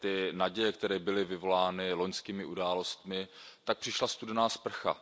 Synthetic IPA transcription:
t̪ɪnaɟɛjɛkt̪ɛɾɛːbɪlɪvɪvo̞laːnɪlo̞ɲskiːmɪʔudaːlo̞st̪mɪt̪ak̚pr̥ɪʃlast̪udɛnaːspr̩xa̰

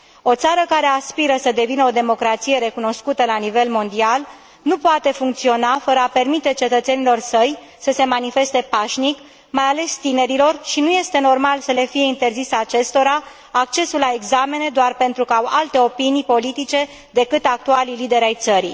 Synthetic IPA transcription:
o̞t̪saɾəkaɾe̞aspiɾəsəd̪e̞vinəod̪e̞mo̞kɾat̪sije̞ɾe̞kuno̞skut̪əlanive̞lmo̞nd̪ial | nupoat̪e̞fuŋkt̪sio̞nafəɾəape̞rmit̪e̞t͡ʃe̞t̪ət̪se̞nilo̞rsəj | səse̞manife̞st̪e̞paʃnik | majale̞st̪ine̞ɾilo̞rʃinuje̞st̪e̞no̞rmalsəle̞fije̞int̪e̞rziseat͡ʃe̞st̪o̞ɾa | ak̚t͡ʃe̞sulːae̞ɡzame̞ned̪oarpe̞nt̪ɾukəawa̰lt̪e̞o̞pinijpo̞lit̪it͡ʃe̞ | d̪e̞kɨt̪ak̚t̪ualilid̪e̞ɾʲajt̪səɾi

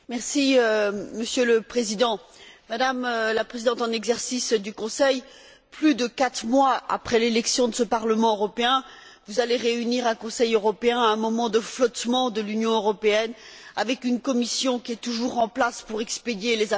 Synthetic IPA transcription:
mɛʁsiøməsjøləpχezid̪ɑ̃mad̪amlapχezid̪ɑ̃t̪ɑ̃nɛɡzɛʁsisd̪ykɔ̃sɛj | plyd̪əkat̪χmwaa̰pχɛlelɛksjɔ̃d̪əsəpaʁləmɑ̃øʁɔpeɛ̃ | vuzaleʁeyniʁɛ̃kɔ̃sɛjøʁɔpeɛ̃ɛ̃mɔmɑ̃d̪əflɔt̪mɑ̃d̪əlynjɔ̃øʁɔpeɛnavɛkynkɔmisjɔ̃kʲiɛt̪uʒuʁɑ̃plaspuʁɛksped̪jeleza

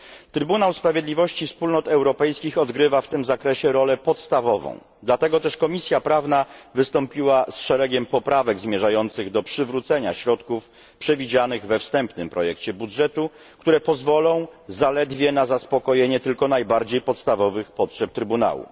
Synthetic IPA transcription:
t̪ɾɘbunawspɾavʲjed̪lʲivɔɕt͡ɕifspulnɔt̪ɛwɾɔpɛjskʲixɔd̪ɡɾɘvaft̪ɘmzakɾɛɕɛɾɔlɛpɔt̪st̪avɔvɔ̰̃w̃ | d̪lat̪ɛɡɔt̪ɛʂkɔmʲisʲjapɾavnavɘst̪ɔmpʲiwasʂɛɾɛɡʲɛmpɔpɾavɛɡzmʲjɛʐajɔnt̪sɘɣd̪ɔpʂɘvɾut̪sɛɲa̰ɕɾɔt̪kuf | pʂɛvʲid͡ʑanɘɣvɛfst̪ɛmpnɘmpɾɔjɛkt͡ɕɛbudʐɛt̪u | kt̪uɾɛpɔzvɔlɔ̃w̃zalɛd̪vʲjɛnazaspɔkɔjeɲɛt̪ɘlkɔnajbaɾd͡ʑejpɔt̪st̪avɔvɘxpɔtʂɛp̚t̪ɾɘbuna̰wṵ

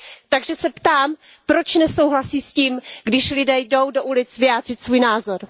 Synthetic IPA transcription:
t̪aɡʒɛsɛpt̪aːm | pɾo̞t͡ʃnɛso̞wɦlasiːsciːmɡdɪʃlɪdɛːjdo̞wdo̞ʔulɪt͡svɪjaːdr̝ɪt̪svuːjnaːzo̞ɾ

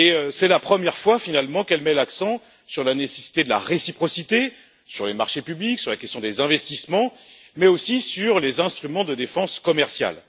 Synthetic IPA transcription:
eøsɛlapχəmjɛʁfwafinalmɑ̃kɛlmɛlaksɑ̃ | syʁlanesesi̥t̪ed̪əla̰ʁesipχɔsit̪e | syʁlemaʁʃepybliksyʁlakʲɛst̪jɔ̃d̪ezɛ̃vɛst̪ismɑ̃ | mɛosisyʁlezɛ̃st̪χymɑ̃d̪əd̪efɑ̃skɔmɛʁsja̰l

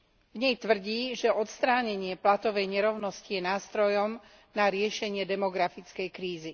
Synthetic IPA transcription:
vɲɛjt̪ʋr̩ɟiːʒɛʔɔt̪st̪ɾaːɲɛɲɪɛplat̪ɔʋɛjɲɛɾɔʊnɔscijɛnaːst̪ɾɔjɔm | naɾɪɛʃɛɲɪɛd̪ɛmɔɡɾafit͡skɛjkɾiːzi

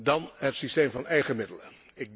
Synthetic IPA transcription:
dɑnɦətsisteːmvɑnɛjχəmɪdələ | ɪɡ̚

